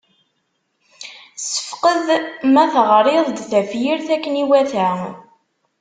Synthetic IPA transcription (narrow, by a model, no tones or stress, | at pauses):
sə̥fqəðmæθəʁɾˤeðˤd̪θæfjiɾθækːəniwæθæ